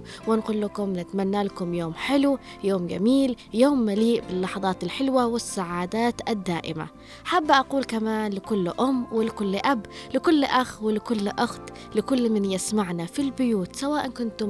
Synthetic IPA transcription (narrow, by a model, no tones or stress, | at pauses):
wɪnqʊːlːakʊmnɪt̪manːalakʊmjoːmħɪlu | joːmɡa̰miːl | joːmːaliːʔbɪlːɑħɑðˤɑːt̪alħɪlwawɪsːaʕaːd̪aːt̪ad̪ːaːʔɪma̰ | ħabːʔaquːlkamaːnlɪkʊlːʔʊmːwɪlɪkʊlːʔablɪkʊlːʔaxwɪlɪkʊlːʔʊxt̪ | lɪkʊlːmɪnjɪsmaʕnafilbʊjuːt̪sawaːʔankʊnt̪ʊ